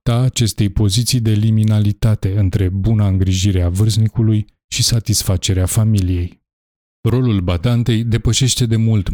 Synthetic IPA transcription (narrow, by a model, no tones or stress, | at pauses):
t̪aːt͡ʃe̞st̪e̞jpo̞zit̪sijd̪e̞liminalit̪at̪e̞ɨnt̪ɾe̞bunaɨŋɡɾiʒiɾeavɨrznikuluj | ʃisat̪isfat͡ʃe̞ɾeafamilije̞j | ro̞lulbad̪ant̪e̞jd̪e̞pəʃe̞ʃt̪e̞d̪e̞mult̪